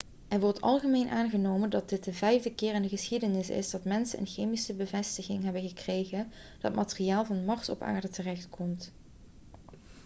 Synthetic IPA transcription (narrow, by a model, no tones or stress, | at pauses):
ʔɛɹʋɔɹtɑ̰lˠχəmejnʔaːnɣənowməndɑt̚dɪt̚dəvɛjvdəkɪːrɪndəɣəsxidənɪsɪ̰zdɑtmɛnsənʔə̰nxejmisəbəvɛstəɣɪŋɦɛbəɣəkrejɣənd̥ɑt̚matəriaːlˠvɑnmɑɹsɔ̰pa̰ːɹdətərɛxtkʰɔmt